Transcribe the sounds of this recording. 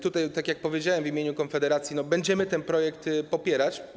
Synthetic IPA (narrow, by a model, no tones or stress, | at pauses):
t̪ut̪ajt̪akʲjak̚pɔvʲjed͡ʑawɛmvʲimʲjeɲukɔnfɛd̪ɛɾat̪sʲjinɔbɛɲd͡ʑɛmɘt̪ɛnpɾɔjɛkt̪pɔpʲjɛɾat͡ɕ